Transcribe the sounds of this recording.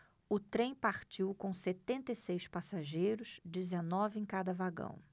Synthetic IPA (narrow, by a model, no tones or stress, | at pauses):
ʊt̪ɾẽj̃paɾt͡ʃiwkõw̃set̪ẽnt̪ɐisejspasaʒejɾʊsd͡ʒɪzenɔvɪẽj̃kad̪ɐvaɡɐ̰̃w̃